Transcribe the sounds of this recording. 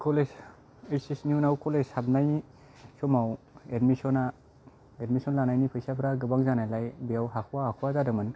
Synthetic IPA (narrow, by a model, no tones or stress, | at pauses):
kʰoles | esisniunawkɔleshab̚najni | sɔmawedmisɔna | edmisɔnlanajnipʰɯjsapʰɾaɡɯbaŋzanajlajbijawɦakʰuwahakʰwazadɯmɯn